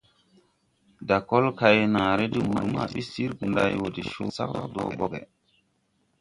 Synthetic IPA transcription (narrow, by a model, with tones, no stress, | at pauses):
da˨ko˦lka˨jnã˨ɾe˦di˦˨mu˨ma̰˦˨ɓi˦si˦ɾɡu˨nda˦jwo˨di˨ʃo˦sa̰˦ka˦do̰ː˨bo˦ɡḛ˨